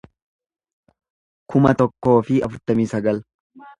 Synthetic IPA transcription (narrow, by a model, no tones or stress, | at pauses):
kʰʊmɐt̪ɔkːo̞ːfɪɐfʊɾt̪ɐmiːsɐɡɐl